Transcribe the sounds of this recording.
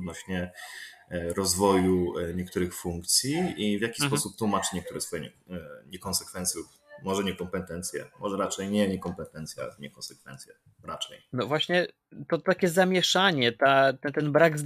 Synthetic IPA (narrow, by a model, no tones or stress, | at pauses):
d̪̚nɔɕɲɛ | ɾɔzvɔjuɲɛkt̪uɾɘxfuŋkt̪sʲjiivʲjakʲi̥spɔsup̚t̪wumat͡ʂɘ̥ɲɛkt̪uɾɛsfɔjɛɲɛ̰ | ɲɛkɔnsɛkfɛnt̪sʲjuf | mɔʐɛɲɛkɔmpɛt̪ɛnt̪sʲjɛ̰mɔʐɛɾat͡ʂɛjɲɛɲɛkɔmpɛt̪ɛnt̪sja̰ɲɛkɔ̃nsɛkfɛ̰nt̪sʲjɛ | ɾat͡ʂɛjnɔvwaɕɲɛ | t̪ɔt̪akʲɛzamʲjɛʂaɲɛt̪at̪ɛt̪ɛnbɾaɡz